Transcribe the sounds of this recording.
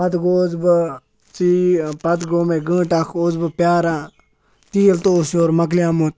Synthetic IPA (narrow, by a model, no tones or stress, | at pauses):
ɐt̪ɡoːzbɨ | t͡sipɐt̪ɡoːmeɡə̃ːʈakʰoːzbɨpjaːɾãː | t̪iːlt̪oːsoːɾmɐk̬lijãːmot̪